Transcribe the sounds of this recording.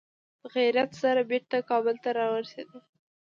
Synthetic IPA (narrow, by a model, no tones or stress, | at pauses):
d̪əɣaɾat̪saɾabeɾt̪akɑbəlt̪aɾɑwəɾsed̪ə